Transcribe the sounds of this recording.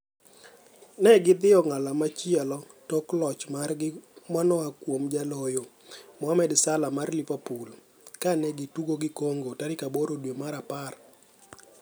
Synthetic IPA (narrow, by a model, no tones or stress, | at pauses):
nɛɡɪd̪ɪɔŋalamat͡ʃjɛlɔ | toklɔt͡ʃmarɡɪmanɔakwomd͡ʒalojo | mɔamɛdsalamarlipapul | kanɛɡɪtuɡoɡɪkoŋɡotaɾɪkaboɾodwemaɾapar